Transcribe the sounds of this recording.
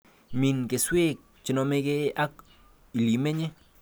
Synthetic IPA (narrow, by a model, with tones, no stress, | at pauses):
mi˧nke˨swe˦k̚ | t͡ʃi˨no˧me˧ke˦a˦k | i˨li˨me˦ɲe˦